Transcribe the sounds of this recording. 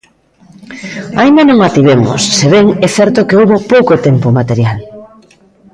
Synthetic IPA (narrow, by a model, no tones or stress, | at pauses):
aind̪anõŋat̪iβemo̰sːeβeŋɛθɛɾt̪okeowβopowkot̪empomat̪eɾjal